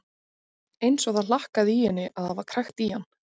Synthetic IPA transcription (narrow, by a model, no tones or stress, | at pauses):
ejnsɔθaðlahkaðijɛnːɪʔaðhaðvaɾ̥kʰɾajxt̪ihanː